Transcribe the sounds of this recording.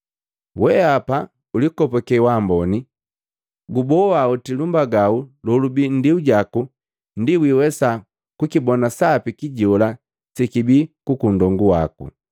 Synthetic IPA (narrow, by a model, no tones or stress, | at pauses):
wɛapa | ulikɔpɔkɛwambɔni | ɡubɔwautilumbaɡaulɔlubin̩diuɟaku | n̩diwiwɛsa | kukibɔnasapikiɟɔla | sikibikukundɔŋɡuwakṵ